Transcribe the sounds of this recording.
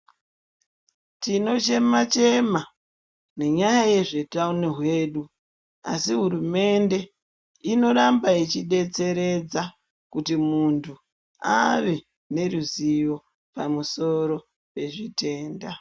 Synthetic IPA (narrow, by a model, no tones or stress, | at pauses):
tino̞t͡ʃe̞mat͡ʃe̞ma | ne̞ɲajaje̞ʐe̞tauneɦwe̞ːɗu | a̰siɦuɾume̞nde̞ | ino̞ɾambait͡ʃiɗe̞t͡se̞ɾe̞d͡za | kutimuntʰu | a̰ʋe̞ | ne̞ɾuzijo̞ | pamuso̞ɾo̞ | pe̞ʐite̞ːnda